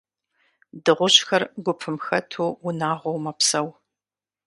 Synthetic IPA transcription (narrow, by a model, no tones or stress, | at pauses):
dɨʁʷʊɕxɐrɡʷʊpʰɨmxɐtʰuːʊnaːʁʷɔwmɐpsɐw